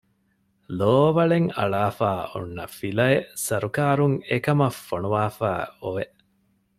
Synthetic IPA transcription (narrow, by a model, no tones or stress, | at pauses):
loːʋɐɭeŋɐ̰ɭaːfaːṵnːɐfilɐesɐɾukaːɾuŋekɐmɐfːonuʋaːfæːoʋeʔ